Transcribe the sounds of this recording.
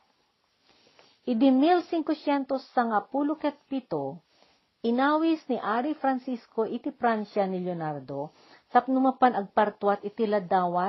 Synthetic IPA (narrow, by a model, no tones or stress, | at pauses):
ʔɪd̪ɪmilsiŋkosjɛnt̪osːɐŋapulʊkɛt̪̚pit̪o | ʔɪnaːwisnɪʔaɾifɾɐnsiskoʔit̪ɪpɾansanɪljonaɾd̪o | sɐpnʊmɐpanɐɡ̚pɐɾt̪wat̪ɪt̪ɪlɐd̪aːwa